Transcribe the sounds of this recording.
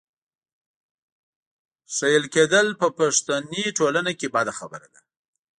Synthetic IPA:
sajəlked̪əlpəpaʂt̪aniʈolanakebad̪axabəɾad̪a

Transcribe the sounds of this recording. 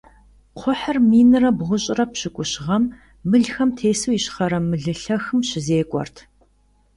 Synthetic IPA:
qʷʰʊħərmiːnɨrɐbʁʷʊɕʼɪrɐpɕɪkʷʼʊɕʁɐmː | ɨɮxɐmtʰeːsuːjiɕχɐɾɐmɨɮɨɬɐxɨmɕɪzeːkʷʼɔ̰rtʰ

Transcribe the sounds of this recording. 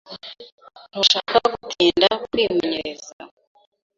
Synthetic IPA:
n̥oʃaːkaɡutʰiːndakwiːmeɲeɾeza̰

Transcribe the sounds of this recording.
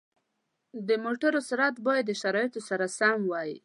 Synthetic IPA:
d̪əmoʈaɾosɪɾat̪bɑjad̪ːəʃaɾɑjɪt̪osaɾasamwɑji

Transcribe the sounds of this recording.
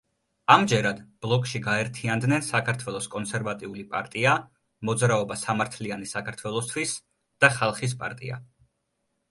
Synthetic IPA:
amd͡ʒɛɾad̪b̥lˠɔkʼʃiɡaɛɾt̪ʰiand̪nɛnsakʰaɾt̪ʰwɛlˠɔskʼɔnsɛɾvat̪ʼiulipʼa̰ɾt̪ʼia | mɔd̪zɾaɔbasamaɾt̪ʰlianisakʰaɾt̪ʰwɛlˠɔst̪ʰwis | d̪̥aχalˠχis̬pʼa̰ɾt̪ʼḭa̰

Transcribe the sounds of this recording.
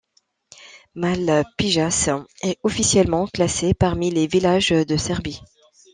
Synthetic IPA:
malpiʒasɛɔfisjɛlmɑ̃klasepaʁmilevilaʒd̪əsɛʁbi

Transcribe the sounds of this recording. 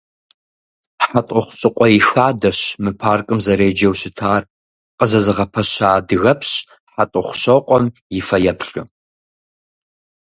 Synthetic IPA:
ħatʼʊχʷɕʼɨqʷʼɔjixaːdɐɕmɨpʰaːrkʼɨmzɐɾeːd͡ʒɐwɕɪtʰaːr | qʼəzɐzɨʁɐpʰɐɕaːdɨɣɐpɕ | ħatʼʊχʷɕɐqʷʼɔmjɪfɐjɛpɬɨ̰

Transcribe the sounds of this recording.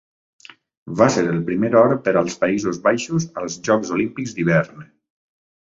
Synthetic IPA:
βaseɾəlˠpɾimeɾɔɾəpəɾəlˠspəizuzβajʃuzəlˠzʒɔkzolimpikzd̪iβ̞ɛɾn

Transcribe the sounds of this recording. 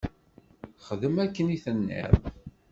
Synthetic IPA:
χəðəmækːəniθənːḭɾˤ

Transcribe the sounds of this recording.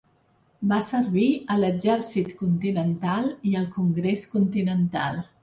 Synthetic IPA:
basəɾβiələzɛɾsit̪kunt̪inənt̪alˠiəlˠkuŋɡɾeskunt̪inənt̪a̰lˠ

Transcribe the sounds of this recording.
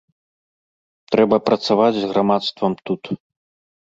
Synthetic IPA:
t̪ɾɛbɐpɾɐt̪savad͡zʲzɣɾamat̪st̪vɐmt̪ut̪

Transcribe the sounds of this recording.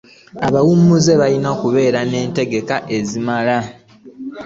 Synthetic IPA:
aβawumuze̞βajinoːkuβe̞ːɾane̞ːnte̞ɡe̞kaʔe̞zimala

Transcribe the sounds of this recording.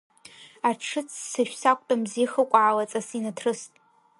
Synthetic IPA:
arʈ͡ʂʰɨt͡sʰsɨʃʷᶣsakʷʼtʼamziχəkʷʼaʕalat͡sʼasinatʰrɨstʼ

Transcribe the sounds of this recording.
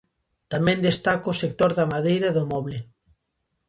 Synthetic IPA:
t̪amɛ̃nd̪est̪akoːsek̚t̪oɾðamaðejɾɐðomɔβle

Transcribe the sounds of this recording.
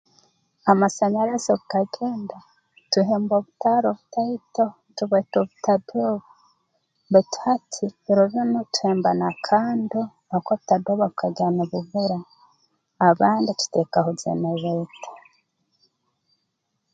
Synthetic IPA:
amasaɲaɾasoβukaɡeːnda | tuɦeːmboβutaɾoβutaito | tuβetoβutadoβa | mbetu̥hatʰiɾoβjonotu̥heːmbanakʰaːndo | akoβutadoβaβukaɟanoβuβuɾaː | βaːndit̪u̥tekaɦozḛneβetḁ

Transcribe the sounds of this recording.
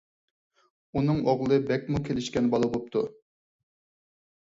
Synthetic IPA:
unɨŋoʁlˠɨbɛk̚ʲmukʲʰelɪʃkʲɛnbɑlˠɑbop̚t̪ʰu

